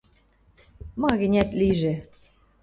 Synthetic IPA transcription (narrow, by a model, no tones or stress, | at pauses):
mɑɣɘ̆nʲæt̪liʒe